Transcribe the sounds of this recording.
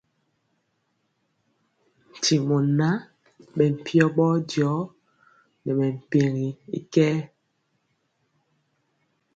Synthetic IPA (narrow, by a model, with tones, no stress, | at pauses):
n̩˨ti˨mɔ˨na˦ | ɓɛ˨m̩˨pʰjɔ˦ɓɔ˦djɔ˨˦ | nɛ˨mɛ˨m̩˨pe˨ŋi˨ḭ˦kɛː˦